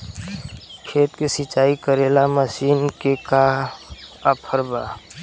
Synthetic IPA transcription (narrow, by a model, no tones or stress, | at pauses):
kʰeːt̪kisit͡ʃaːikəɾeːlaməsiːnkeka | apʰəɾbaː